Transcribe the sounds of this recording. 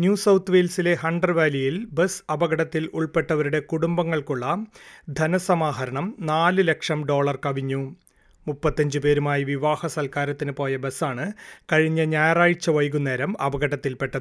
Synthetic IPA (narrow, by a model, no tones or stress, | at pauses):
njuːsɐwt̪ʰːʋelsile̞hɐɳɖɐrʋaːlijilbesɐbɐɣɐɽɐt̪ːiluɭpe̞ʈːɐʋɐɾuɽe̞kuɽumbɐŋːɐɭkuɭːɐd̪ʱɐnɐsɐmaːɦɐɾɐɳɐmnaːlɨlɐkʂɐmɖo̞ːɭɐrkɐʋiɲːu | mupːɐt̪ːɐɲd͡ʑɨpe̞ːɾumaːjiʋiʋaːhɐsɐlkaːɾɐt̪ːinɨpo̞ːjɐbesaːɳɨkɐɻiɲːɐɲaːjɐraːɻit͡ɕːɐʋɐjk̬unːeːɾɐmɐ̰bɐɡɐɽɐt̪ːilpe̞ʈːɐɨ